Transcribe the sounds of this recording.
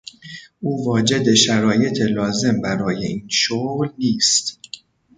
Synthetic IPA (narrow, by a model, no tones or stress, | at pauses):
ʔuːvɒːd͡ʒe̞d̪e̞ʃæɾɒːje̞t̪ʰe̞lɒːze̞mbæɾɒːje̞ʔiːnʃoːɣlniːst̪